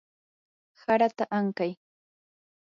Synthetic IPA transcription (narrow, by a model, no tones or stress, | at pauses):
saɾat̪aʔaŋkaj